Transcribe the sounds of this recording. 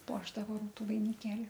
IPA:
ˈpuɔʒdɐʋoː ˈruːtʊ ʋɐɪnʲɪˈkʲeːlʲɪ

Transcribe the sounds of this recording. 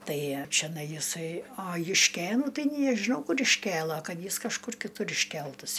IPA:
ˈtɐɪ t͡ʃʲɛˈnɐɪ jɪˈsɐɪ ɐ jʊʃʲˈkʲeːnuː ˈtɐɪ nʲeː ɐ ʒʲɪˈnɐʊ ˈkʊr ɪʃʲˈkʲeːlˠɐ ˈkɐt ˈjɪs kɐʃˈkʊr kʲɪˈtʊr ɪʃʲˈkʲɛlˠtɐs

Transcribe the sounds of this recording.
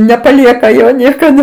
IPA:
nʲɛpɐˈlʲiɛkɐ ˈjoː nʲiɛkɐˈdɐ

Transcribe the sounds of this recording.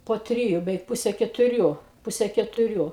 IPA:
poː ˈtʲrʲɪjʊ bʲɛˈʋʲɛɪk ˈpʊsʲɛ kʲɛtʊˈrʲuː ˈpʊsʲɛ kʲɛtʊˈrʲuː

